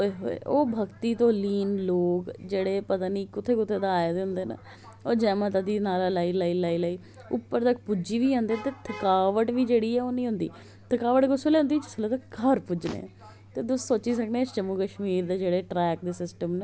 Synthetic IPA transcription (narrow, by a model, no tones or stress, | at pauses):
ɦo̰ḛoːbʱəkt̪iːt̪õːliːnloːkd͡ʒeːɽeːpət̪aːniːkʊt̪ʰːeːkʊt̪ʰːeːd̪aːed̪eɦʊnd̪eːnə̰ | oːd͡ʒɛːmãːt̪ad̪iːnaːlaːlaːiːlaːiːlaːiːlaːiː | ʊ̰pːəɾt̪ək̚pʊd͡ʒiːʋiːãːnd̪eːt̪eːt̪ʰəkaːʋəʈʋiːd͡ʒeːɽiːɛːoːnĩːɦʊnd̪ḭː | t̪ʰəkaːʋəʈɡʊsoleːʊ̃nd̪iːt͡ʃɪslot̪əkkʰəɾpʊd͡ʒnḛ̃ | t̪eːd̪ʊsːoːt͡ʃiːsəkned͡ʒəmːukəʃmiːɾd̪eːd͡ʒeːɽeːʈɾɛːk̚d̪eːsɪsʈəmne